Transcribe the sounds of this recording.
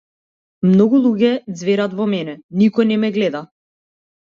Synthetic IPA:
mnɔɡulˠuɡɛd̪zvɛɾat̪vɔmɛnɛnikɔjnɛmɛɡlɛd̪a

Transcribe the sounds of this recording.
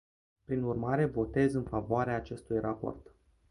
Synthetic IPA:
pɾinurmaɾe̞vo̞t̪e̞zɨnfavoaɾeaːt͡ʃe̞st̪ujrapo̰rt̪

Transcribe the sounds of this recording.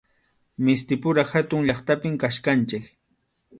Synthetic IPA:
mɪst̪ɪpʊɾaxat̪ʊŋʎɑχt̪apɪmkaʃkant͡ʃɪk

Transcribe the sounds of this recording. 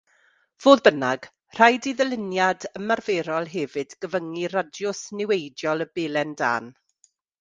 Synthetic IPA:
v̥oːðbənaɡ̥ | r̥ajdiðəlɪnjadəmarveːɾɔlˠɦɛvɨdɡ̥əvəŋiradjʊsnɪwejdjɔlˠəbeːlˠɛnda̰ːn

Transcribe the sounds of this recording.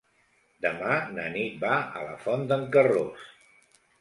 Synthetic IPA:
d̪əmanənit̪̚baə̰lə̰fɔnd̪əŋkəros

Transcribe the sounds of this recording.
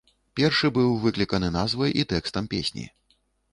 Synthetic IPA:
pʲɛrʂɨbɨwvɨklʲikɐnɨnazvɐjʔit̪ɛkst̪ɐmpʲesʲnʲḭ

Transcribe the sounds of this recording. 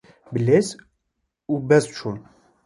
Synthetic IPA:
bəlez | ubɛst͡ʃʰun

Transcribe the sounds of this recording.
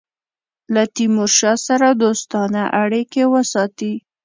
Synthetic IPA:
lat̪imʊɾʃɑsaɾad̪ost̪ɑnaʔaɽikewəsɑt̪i

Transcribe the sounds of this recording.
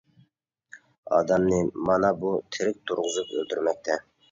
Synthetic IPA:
ɑ̰d̪ɛmnɨmɑnɑbut̪ʰɪɾɪk̚ʲt̪ʰuɾʁʊzupø̰lt̪ʰyɾmɛk̚ʲt̪ʰɛ

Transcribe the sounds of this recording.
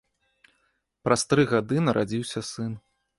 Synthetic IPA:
pɾɐst̪ɾɨɣad̪ɨnɐɾʔad͡zʲiwsʲɐsɨn

